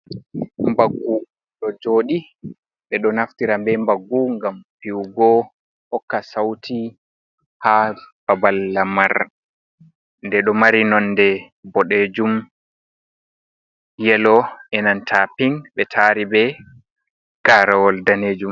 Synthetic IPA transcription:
mbaɡːu | ɗɔd͡ʒoːɗi | ɓɛɗɔnaftiɾambɛmbaɡːuŋɡampiwɡɔ | hɔkːasawti | hab̥abalːamaɾ | ndɛɗɔmaɾinɔndɛ | bɔɗed͡ʒum | jɛlɔʔɛnantʰapiŋɓɛtʰaɾibɛ | ɡ̥aːɾawɔldaneːd͡ʒum

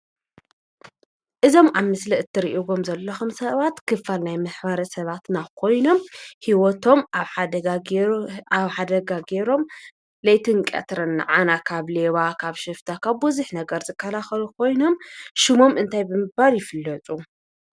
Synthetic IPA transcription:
ʔɨzo̞maβmɨsliɨt̪ʰːɨɾiʔiɡo̞mzɐlːɐxumsɐβat̪kʰɨfːalnajmɐħbɐɾɐsɐβat̪nakʰo̞jno̞mhiwɔt̪ʰo̞md̪a | βħad̪ɐɡaɡe̞ɾo̞m | lɐjt̪ʰɨnkʼɐ̰t̪ɾɐnːɨ̰ʕanakʰaβle̞βakʰaβʃɨft̪ʰakʰaβːuzuħnɐɡɐɾzɨkʰːɐlaxɐlukʰo̞jno̞mʃɨmo̞mʔɨnt̪ʰajbɨmɨɡbaljɪfɨlːɐt͡sʼu

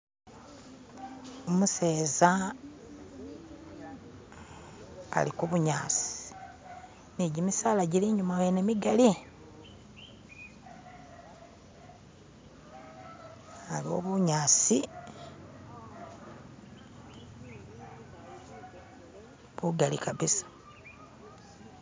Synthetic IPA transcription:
omuseːza | a̰likuβuɲaːsi̥ | niɟimisaːlaɟiliɲumawenemiɡali | alio̞̰βuɲaːsi | βuɡalikaβisḁ

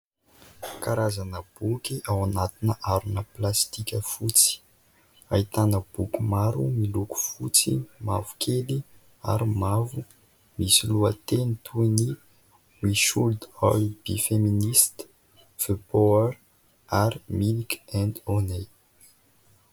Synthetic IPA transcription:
kaɾazanəb̥ukʲiʔawanat̪inəʔaɾunəplast̪ikʲəfut͡si̥ | ait̪anəb̥ukʲumaɾumiluku̥fut͡sima̰vu̥kʰeli | a̰ɾimavu | misiluat̪enit̪ʰuni | wiʃuld̪alb̥ifeminist̪ | v̥epoɛɾ | aɾimilikɛ̃nd̪one

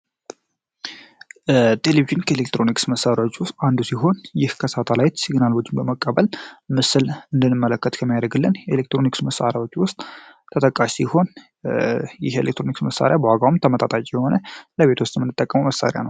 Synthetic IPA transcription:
t̪ʰe̞leβiʒɪnkʰəelek̚t̪ɾo̞niksməsːaɾjawot͡ʃːwʊst̪ʼand̪usiɦo̞njɪhkʰəsat̪ʰalajt̪siɡnalwud͡ʒɪmbəməkʼːəβəlmɨsɨlɨnd̪ɨnːɨmːələkːət̪kʰəmːijad̪əɡɨlːɨnjɛelek̚t̪ɾo̞niksməsːa̰ɾjawo̞t͡ʃːwʊst̪ʼ | t̪ʰət̪ʼəkʼaʃsiho̞n | jɪhelekt̪ɾoniksməsa̰ɾjabəwaɡawumt̪ʰəmət̪ʰʼat̪ʼat͡ʃʼijɛho̞nələβe̞t̪ʰwʊst̪ʼmɨnːɨt̪ʼːəkʼːəməməsa̰ɾja̰nə̰w

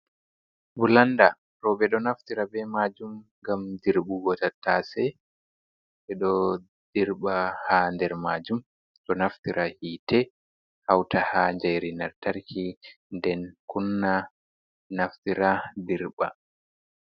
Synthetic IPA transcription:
bulanda | ɾɔbɛɗɔnaftiɾabɛmad͡ʒumŋɡamdiɾbuɡɔtatasɛ | ɓɛɗɔ | d̥iɾɓahandɛɾmad͡ʒum | tɔnaftiɾʔahiːtɛ | hawtʰahaɲd͡ʒajɾinaɾtaɾkʰi | ndɛnkunːa | naftiɾadiɾɓa̰

